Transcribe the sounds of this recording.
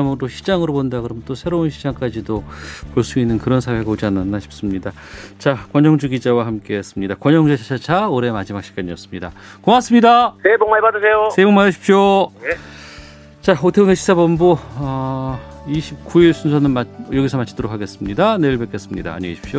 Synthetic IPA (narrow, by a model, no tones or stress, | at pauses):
mɯɾoɕʰid͡ʑaŋɯɾopondakɯɾʌmnt͈osʰe̞ɾounɕʰid͡ʑaŋk͈ad͡ʑidopoɭs͈uinːɯnkɯɾʌnsʰawe̞ɡaod͡ʑianːanːaɕʰi̥p̚s͈ɯmɲida | t͡ɕakwʌɲʌŋd͡ʑuɡid͡ʑawahamk͈e̞ːs͈ɯmɲidakwʌɲʌŋd͡ʑuɕʰat͡ɕʰat͡ɕʰaoɾe̞mad͡ʑimak̚ɕ͈ʰiɡ̥aɲiʌs͈ɯ̥mɲidakomas͈ɯmɲidaneboŋmaɭbadɯsʰe̞joneboŋmadɯɕʰi̥p̚ɕ͈o | t͡ɕaotʰeuneɕʰi̥sʰabʌmboʌ | iɕʰikuiɭsʰunsʰʌnɯnmajʌɡisʰʌmat͡ɕʰd̥oɾokʰaɡe̞s͈ɯmɲidaneɯɭbek͈es͈ɯmɲida̰ːɲeɡeɕʰi̥p̚ɕ͈o